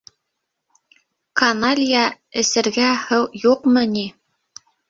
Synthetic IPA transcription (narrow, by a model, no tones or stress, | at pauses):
kɐnalʲijɑ | ɘ̆sɘ̆ɾɡæhɤwjuqmɤni